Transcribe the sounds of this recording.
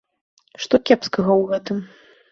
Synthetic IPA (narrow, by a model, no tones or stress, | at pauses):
ʂt̪ɔkʲɛpskɐɣɐwɣɛt̪ɨm